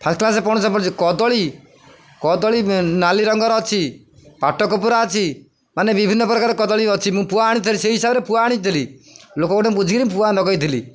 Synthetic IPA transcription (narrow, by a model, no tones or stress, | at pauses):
pʰasklasepɔɽ̃ɔsɔpɔ̃ɾt͡ʃikɔd̪ɔɭi | kɔd̪ɔɭinaliɾɔŋɡɔɾɔt͡ʃʰi | paʈɔkɔpuɾaɔt͡ʃʰi | manebibʱinːɔpɾɔkaɾekɔd̪ɔɭiɔt͡ʃʰimũpuaːɽ̃it̪ʰiliseɦisabɾepuaːɽ̃it̪ʰililokɔkɔʈɔbud͡ʒʱɡiɾimp̬uanɔɡɔjt̪ʰili